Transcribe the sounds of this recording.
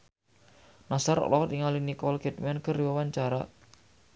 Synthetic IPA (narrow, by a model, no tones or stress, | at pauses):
nasaɾɔ̰lɔt̪iŋalinikɔlket̪̚mɛnkəriwəwaɲt͡ʃaɾa